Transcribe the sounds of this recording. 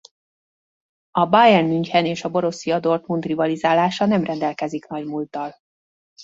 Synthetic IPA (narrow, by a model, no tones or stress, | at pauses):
ɒbajɛnmyɲchɛneːʃɒbo̞ɾo̞sijɒd̪o̞rt̪munt̪rivɒlizaːlaːʃɒnɛmrɛnd̪ɛlkɛziknɒɟmult̪ɒl